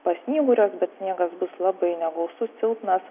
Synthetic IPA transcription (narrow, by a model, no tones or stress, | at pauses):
pɐsʲnʲiːɡʊɾʲoːsbʲɛt̪sʲnʲiɛɡɐsbʊslˠɑbɐɪnʲɛɡɐʊsʊt̪t͡s̪ʲɪlˠt̪nɐs